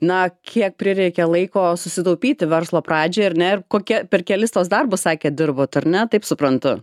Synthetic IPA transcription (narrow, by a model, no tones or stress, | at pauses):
nɐkʲʰiɛk̚pʲɾʲɪɾʲɛɪkʲɛlˠɐɪkoːsʊsʲɪt̪ɐʊpʲiːt̪ʲɪʋʲɛrslˠoːpɾɑːd͡ʒʲeːɐɾnʲɛɪrkoːkʲɛpʲɛrkʲɛlʲɪst̪oːsd̪ɐrbʊssɑːkʲeːd̪ʲɪɾboːt̪ɐɾnʲɛt̪ɐɪpsʊpɾɐnt̪ʊ